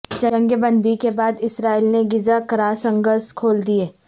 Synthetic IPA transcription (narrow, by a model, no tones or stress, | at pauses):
d͡ʒɐ̃ə̃ŋɡəbə̃nd̪ʱikebaːd̪ɪsɾaːilneɡɪzakɐɾaːsɐ̃ŋɡəɾskʰoːld̪ieː